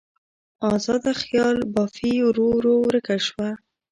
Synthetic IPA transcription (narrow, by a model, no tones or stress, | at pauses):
ɑzɑd̪axjɑlbɑfiɾoɾowɾəkaʃwa